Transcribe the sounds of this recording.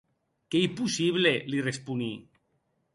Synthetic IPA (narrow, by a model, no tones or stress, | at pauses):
keipusiβlelirespuni